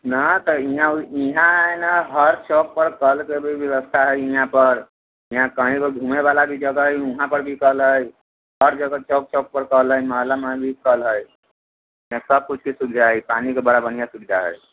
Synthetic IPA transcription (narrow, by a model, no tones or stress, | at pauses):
nət̪əiɦãiɦãnaɦəɾt͡ʃok̚pəɾkəlkebʱibjəwəst̪ʰaɦəjiɦãpəɾ | iɦãkəɦĩkeɡʱumebalabʱid͡ʒəɡəjũɦãpəɾbʱikəlɦəj | ɦəɾd͡ʒəɡət͡ʃok̚t͡ʃok̚pəɾkəɦləjməɦəlamabʱikəlɦəj | iɦãsəb̚kut͡ʃʰkesubd͡ʒʱaɦjpanikebəɽabənijasubd̪ʱaɦə̰j